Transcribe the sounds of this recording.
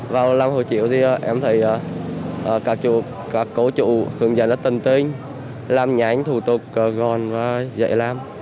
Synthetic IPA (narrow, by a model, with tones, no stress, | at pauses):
vaː˨˩wla˧mho̰˧˨jt͡ɕḭ˧˨wt̪ʰi˨˩ʔə˨˩ʔɛ˧mt̪ʰə˨˩jʔəː˨˩ʔəː˨˩kaː˨˦˩k̚t͡ɕṵ˧˨ | kaː˨˦˩kːo˨˧˦t͡ɕṵ˧˨hɨ̰˧˨əŋzə̰˧˨nɗəː˨˦˥t̪ə˨˩nt̪i˧ŋ | laː˧mɲa˨˦jŋ̟t̪ʰu˨˩t̪ʊ˨˩k̚ːɣɔ˨˩nvaː˨˩zə̰˧˨jlaː˧m